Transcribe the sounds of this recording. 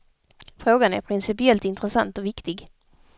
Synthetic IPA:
fɾoːɡanæɾpʰɾɪnsɪpɪɛlt̪ɪnt̪ɾəsant̪ɔvɪkt̪ɪɡ

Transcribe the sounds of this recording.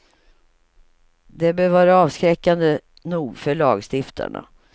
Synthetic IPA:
d̪ɛbøːɾvɑːɾaɑːvskɾɛkːand̪ə | nuːɡfœɭɑːɡst̪ɪft̪ʰa̰ɳa̰

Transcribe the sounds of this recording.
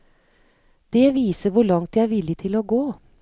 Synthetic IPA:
d̪̥eːʋiːsəɾʋʊɭɑŋt̪jææɾʋɪlɪt̪ʰɪloːɡoː

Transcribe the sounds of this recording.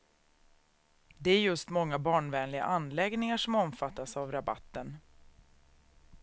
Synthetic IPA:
d̪ɛæɾjɵst̪mɔŋːabɑːɳvɛːnlɪɡa̰ʔanlɛɡnɪŋaʂɔmɔmfat̪ːasavɾaba̰t̪ːən

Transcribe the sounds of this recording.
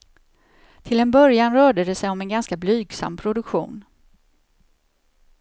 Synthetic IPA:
t̪ʰɪlɛnbœɾjanɾœːɖəd̪ɛsɛjɔmɛnɡanskablyːɡsa̰mːpʰɾʊd̪ɵkɧṵːn

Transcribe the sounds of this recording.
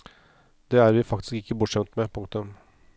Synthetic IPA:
d̪ɛæɾʋɪfɑkt̪ɪ̥skɪkːəbʊʈʂɛmt̪mɛpʰʊŋk̚t̪ɵm

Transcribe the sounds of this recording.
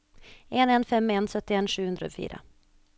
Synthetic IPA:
enɛnfɛmːɛnsœt̪ːɪeːnʂʉ̟ːhɵnd̪ɾa̰fy̰ːɾa̰

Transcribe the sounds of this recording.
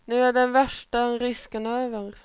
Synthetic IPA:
nʉːæːd̪ɛnʋæʂʈəɾɪskənøːʋəɾ

